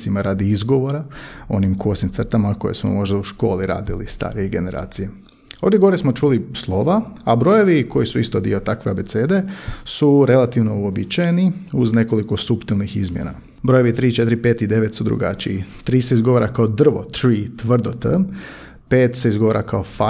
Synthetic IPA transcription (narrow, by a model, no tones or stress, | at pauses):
imaɾad̪iizɡo̞ʋo̞ɾao̞̰nimkuosnimt̪sər̩t̪amako̞jesmo̰mo̞ʒd̪auʃko̞̰ːliɾa̰ːd̪ilḭst̪a̰ːɾijeɡe̞ne̞ɾʔa̰ːt̪sije | od̪jeɡoɾesmo̞t͡ʃulislˠo̞ʋaabɾo̞jo̞ʋiko̞jisuist̪od̪ḭo̞t̪akʋeabe̞t̪seːd̪e̞suɾe̞lˠat̪iʋno̞uobit͡ʃajeniuzne̞ko̞liko̞supt̪ilˠnixḭzmjena̰ | bɾo̞jo̞ʋit̪ɾiːt͡ʃe̞t̪iɾipe̞t̪id̪e̞ʋet̪sud̪ɾṵɡa̰t͡ʃijit̪ɾiːseizɡo̞ʋoɾakaod̪r̩ʋo̰t̪ɾiːt̪ʋr̩d̪ot̪ə | peːt̪se̞izɡo̞oɾʔakaofa